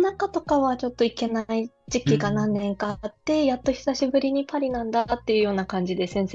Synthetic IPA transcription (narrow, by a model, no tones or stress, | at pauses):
nakat̪o̞kaβat͡ɕo̞t̪ːo̞ike̞naid͡ʑikʲiɡanãnːẽ̞ŋkaːt̪ːe̞jat̪ːo̞çʲi̥saɕibɯ̟ɾʲiɲ̟ipʰaɾʲinãnd̪at̪ːe̞jɯ̟jo̞ːnakãɲ̟d͡ʑid̪e̞sẽ̞ɰ̃se